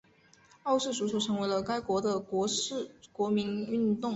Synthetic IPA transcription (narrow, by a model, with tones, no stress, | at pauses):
ɑ˥˧ʊʂɻ̩˥˩ʂu˨˧˥swɔ˨˩ʈ͡ʂʰɤ˧˥ŋwe˧˥ɪlə˧ka˥ɪkwɔ˧˥d̪ə˧kwɔ˧˥˩kwɔ˧˥mi˧˥ny˥˧nt̪ʊ˥˩ŋ